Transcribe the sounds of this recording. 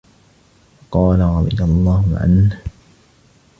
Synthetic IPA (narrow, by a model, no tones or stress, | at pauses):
ɑqɑːlaɾˤɑd̪ˤɨjalˤːɑːhʊʕa̰nh